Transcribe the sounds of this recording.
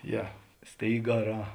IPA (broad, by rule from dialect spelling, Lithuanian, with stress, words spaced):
ˈjɛ ˈsʲtʲeːɪɡɐˌrɑː